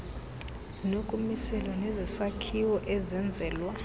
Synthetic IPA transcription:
z̥inukʼumisɛlanɛzɛsakʰiwɔʔɛzɛnd͡zʱɛːlwa

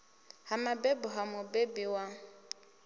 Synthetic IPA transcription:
hamabebʊɦamʊbebɪwa

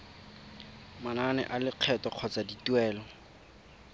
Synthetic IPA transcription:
mananɛ̰ʔalɪq͡χʰɛtɔq͡χʰɔt͡saditwɛːlɔ

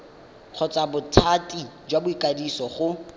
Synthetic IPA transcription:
q͡χʰɔt͡sʼabʊtʰatʼid͡ʒwabʊikʼadisɔχʊ

